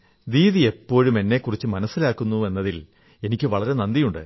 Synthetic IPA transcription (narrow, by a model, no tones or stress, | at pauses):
diːðie̞pːo̞ːɻume̞nːe̞kːurit͡ɕːɨmɐnɐsːilaːkːunːue̞nːɐðil | e̞nikʲːɨʋɐɭɐɾe̞nɐnd̪ijuɳɖɨ̰